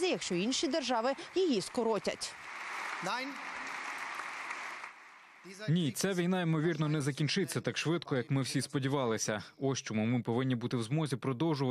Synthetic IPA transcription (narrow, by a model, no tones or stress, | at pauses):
zʲɪjɐkʃt͡ʃɔinʃid̪erʒɑʋɪjijiskɔɾɔtʲɐ̰tʲ | nʲit̪sɛʋʲijnɑimɔʋʲirnɔnɛzɐkʲint͡ʃɪt̪ʲt͡sʲːɐt̪ɑkʃʋɪd̪kɔjɐkmɪwsʲispɔdʲiʋɑlˠɪsʲɐɔʃt͡ʃɔmumɪpɔʋɪnʲːibut̪ɪwzmɔzʲipɾɔd̪ɔwʒʊʋɐ